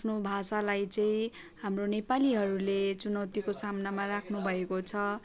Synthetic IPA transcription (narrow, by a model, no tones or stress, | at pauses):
apʰnobʱasalajt͡sʌĩ | ɦamronepaliɦʌɾulet͡sunʌwt̪ikosamnamarakʰnubʱʌekot͡sʰʌ